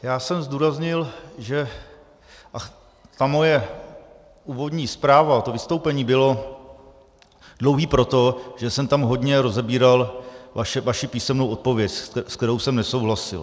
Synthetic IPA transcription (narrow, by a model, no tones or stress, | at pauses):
jaːsɛmzduːɾazɲɪlʒɛ | ʔa | t̪amo̞jɛ | uːvo̞dɲiːspɾaːvat̪o̞vɪst̪o̞wpɛɲiːbɪlo̞ | dlo̞wɦiːpɾo̞t̪o̞ʒ̥ɛsɛmt̪amɦo̞d̪ɲɛɾo̞zɛbiːɾalvaʃɛvaʃɪpiːsɛmnowʔo̞t̪̚po̞vjɛcskt̪ɛɾo̞wsɛmnɛso̞wɦlasɪ̰l